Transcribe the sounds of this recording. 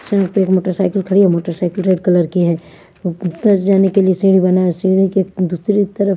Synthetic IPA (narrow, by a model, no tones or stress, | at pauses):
sɐ̃ːk̚peeːkmoːʈəɾsaːɪkəlkʰɐɽiɦɛmoːʈəɾsaːɪkəlɾeːɖkɐləɾkiɦɛː | t̪ɐɾd͡ʒaːnekeliesĩːɽ̃ibɐnasiːɽiked̪uːsɾit̪ɐɾə